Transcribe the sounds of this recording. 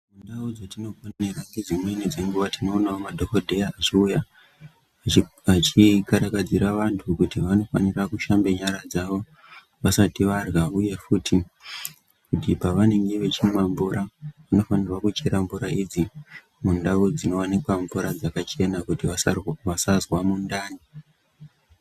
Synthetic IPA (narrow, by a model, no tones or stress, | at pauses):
mundaud͡zotino̞koeraŋɡed͡zimwe̞nid͡zeŋɡuʋatino̞ːnaomadʱokodʱejaːʐiuja | at͡ʃikaɾakad͡ziɾaʋantʰukutiʋano̞fa̰nirakuʃambe̞ɲaɾad͡zaʋo̞ | ʋasatiʋarɣauje̞futi | kutipaʋane̞ŋɡe̞ʋe̞t͡ʃinemaɱvuɾaʋano̞fanirwakut͡ʃeɾaɱvuɾaid͡zi | mundaud͡zino̞wanekwaɱvuɾad͡zakat͡ʃe̞nakutiʋaʋasazwamundaːni